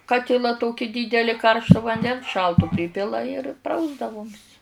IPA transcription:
ˈkɑːtʲɪlˠɐ ˈtoːkʲɪ dʲiːdʲɛlʲɪ ˈkɐrʃtoː ʋɐnʲˈdʲɛns ˈʃɐlˠtʊ ˈpʲrʲiːpʲɪlˠɐ ɪr ˈprɐʊzdɐʋoːmʲs

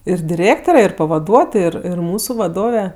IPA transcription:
ɪr dʲɪˈrʲeːktoːrʲɛ ɪr pɐʋɐˈduɔtoːj ˈɪr ˈɪr ˈmuːsʊ ʋɐˈdoːʋʲɛ

